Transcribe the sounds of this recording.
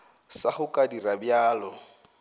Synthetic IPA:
saχʊkʼadirabjaːlɔ

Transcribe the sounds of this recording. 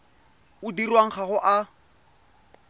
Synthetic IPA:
ʊdirwaŋ̩χaɣʊʔa

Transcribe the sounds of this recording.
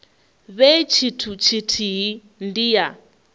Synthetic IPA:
βet͡ʃʰitʰut͡ʃʰitʰiɦi | ndija

